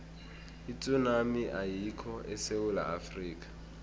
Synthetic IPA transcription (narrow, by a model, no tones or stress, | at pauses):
it͡sʼʊnamiʔaikʰɔʔɪseʊla̰afriːkʼḁ